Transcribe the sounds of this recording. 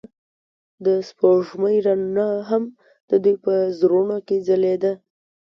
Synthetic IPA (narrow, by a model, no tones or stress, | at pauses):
d̪əspoʐməjɾannaɦam | d̪̥əd̪ujpəzɾuɳoked͡zəled̪a